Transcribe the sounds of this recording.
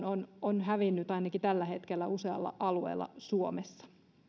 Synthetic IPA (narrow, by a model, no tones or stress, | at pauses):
nononɦæʋinːyt̪ɑinɑkit̪ælːæhe̞t̪kelːæuseɑ̰lːɑ̰ʔɑluḛːlːɑ̰suomesːɑ̥